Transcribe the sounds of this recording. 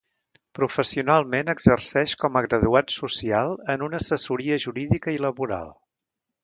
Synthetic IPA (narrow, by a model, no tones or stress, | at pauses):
pɾufəsiunalˠmenəɡzərsɛʃkɔməɣɾəðuat̪susialˠənunəːsəsuɾiəʒuɾiðikəiləβuɾa̰lˠ